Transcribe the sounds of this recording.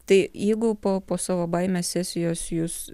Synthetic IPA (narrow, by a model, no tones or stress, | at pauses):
t̪ɐɪjɛɪɡʊpoːpoːsɑːʋoːbɐɪmʲɛːsʲæsʲɪjoːsjʊs